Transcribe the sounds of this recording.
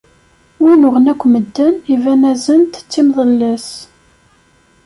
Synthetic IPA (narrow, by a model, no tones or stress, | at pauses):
winʊʁənækʷːməd̪ːənivænæzənt̪ə̥t͡sːimðˤəlːəs